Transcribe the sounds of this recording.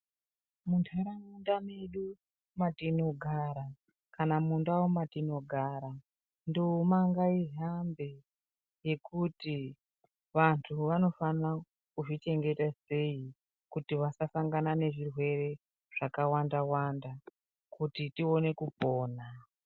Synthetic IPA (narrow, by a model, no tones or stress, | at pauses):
muntʰaɾamundameɗu | matino̞ɡʱaːɾa | kanamundawomatino̞ɡʱaːɾa | ndoumaŋɡaiɦambe | je̞kuti | ʋantʰuʋano̞fana | kuʐit͡ʃe̞ŋɡe̞tase̞i | kutiʋasasaŋɡanane̞ʐirwe̞re̞ | ʐ̥akawandawanda | kutitio̞ne̞kupoːna